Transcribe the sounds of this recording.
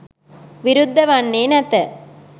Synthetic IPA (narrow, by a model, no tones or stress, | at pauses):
ʋiɾud̪ʱːɐʋɐnːeːnɐt̪ə